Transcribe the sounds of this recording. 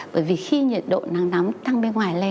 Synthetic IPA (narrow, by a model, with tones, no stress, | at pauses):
ɓəː˧˩jvi˨˩xi˧ɲḭ˨˩ət̚ɗo̰˧˨na˨˦ŋna˨˦mt̪a˧ŋɓe˧nŋwaː˨˩jle˧˩